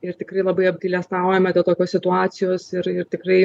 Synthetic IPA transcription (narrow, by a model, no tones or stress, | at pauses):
ɪɾt̪ʲɪkrɐɪlˠɐbɐɪɐbʲd̪ʲilʲɛst̪ɑʊjɛmʲɛd̪ʲeːlˠt̪oːkʲoːsʲsʲɪt̪ʊɑːt͡ssʲɪjoːsɪɾɪɾt̪ʲɪkrɐɪ